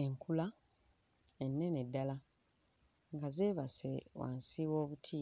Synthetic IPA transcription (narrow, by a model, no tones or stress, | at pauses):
eŋkula | enːe̞nedːala | ŋɡazeːβasewa̰ːnsiwo̞ːβutʰiː